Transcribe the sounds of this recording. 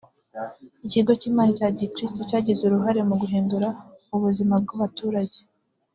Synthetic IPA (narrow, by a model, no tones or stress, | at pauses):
iciɡo̞ciːmaːlicaːɟiekɾistocaːɟezuɾuɦaɾe̞muɡuɦeːnduɾa | uβuzimab̚ɡaβatuːɾaɟe